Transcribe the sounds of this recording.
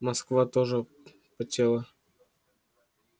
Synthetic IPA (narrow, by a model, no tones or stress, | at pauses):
mɐskvat̪oʐɨ | pɐtʲelˠa